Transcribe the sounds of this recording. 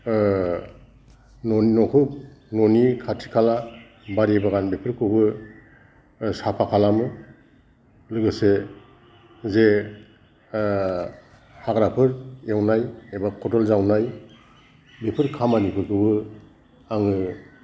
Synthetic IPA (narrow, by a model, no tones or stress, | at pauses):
nɔnnɔkʰɯp̚nɔnikʰatʰi̥kʰala | baɾibaɡanbepʰɯɾkʰɯbɯ | sapʰakʰalamɯ | lɯɡɯse | ze | haɡɾapʰɯɾewnajebakʰɔtɔlzawnaj | bepʰɯɾkʰamanipʰɯɾkʰɯbɯ | aŋɯ